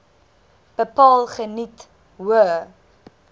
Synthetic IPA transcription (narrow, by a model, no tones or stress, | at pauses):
b̥əpɑːlˠχənit | wə